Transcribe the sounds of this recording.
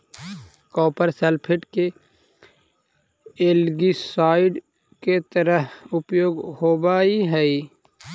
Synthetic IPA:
kɔːpəɾselpʰɪʈke | eːlɡisaːɪɖ | ket̪əɾəɦʊpjoːɡhoːbaːiɦɛi

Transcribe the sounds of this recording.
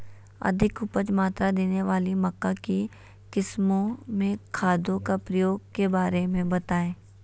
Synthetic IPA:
ɐ̰d̪ʱɪkʊpət͡ʃmaːt̪ɾad̪eːneʋaːlimɐkːaki | kɪsmõmẽkʰaːd̪õkapɾəjoːɡ̚kebaːɾemẽbɐt̪aːẽː

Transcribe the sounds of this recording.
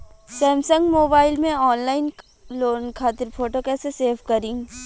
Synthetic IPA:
sɛ̃ːmsə̃ŋɡmoːbaːɪlmẽɔːnlaːɪn | loːnkʰaːt̪ɪɾpʰoːʈokɛːseseːfkɐɾɪ̃ŋɡ

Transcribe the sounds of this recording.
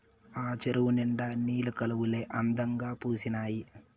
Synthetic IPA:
aːt͡ʃɐɾɐʋuniɳɖaːniːlɐkɐlɐʋuleʔɐnd̪ɐŋɡaːpuːsinaːji

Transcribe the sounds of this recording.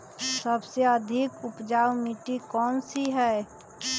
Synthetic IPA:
sɐbseɐd̪ʱɪkʊpd͡ʒaːwmiːʈikɔːnsiɦɛː

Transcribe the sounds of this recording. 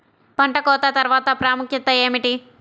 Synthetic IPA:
pɐɳʈɐkɔːt̪ɐt̪ɐɾʋaːt̪ɐpɾaːmukʰjɐt̪ːɐjeːmiʈi

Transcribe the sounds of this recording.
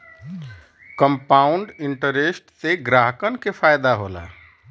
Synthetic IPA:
kəmpauɳɖiɳʈəɾesʈseɡɾaɦkənkepʰajd̪aɦola̰

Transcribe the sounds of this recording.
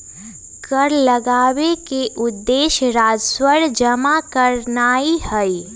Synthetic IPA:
kəɾləɡaːwekeʔʊd̪ːeːʃɾaːd͡ʒswəɽd͡ʒəmakəɾnaːihəi

